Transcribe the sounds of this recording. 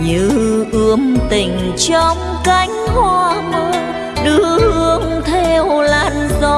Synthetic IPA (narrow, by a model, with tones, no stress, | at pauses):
ɲɨ˧˥ʔɨ˧əŋt̪ï˧˩ŋ̟ | t͡ɕɔ˧˦ŋ͡m | ka˧jŋ̟hwaː˧˩məː˧ | ɗɨ˧˥˦hɨ˧əŋt̪ʰe˧˩wlaː˧˩nzɔ˧˦